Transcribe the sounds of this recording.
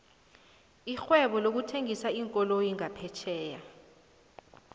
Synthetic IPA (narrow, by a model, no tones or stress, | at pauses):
ixwɛɓɔlok̬utʰeŋisaiŋkʼɔlojiŋapʰɛt͡ʃʰɛːja